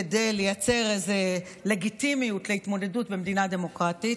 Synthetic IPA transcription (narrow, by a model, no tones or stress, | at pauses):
edejle̞jat͡se̞ʁejze̞ | le̞ɡitimijutle̞itmo̞de̞dutbemd̪inade̞mo̞kʁatit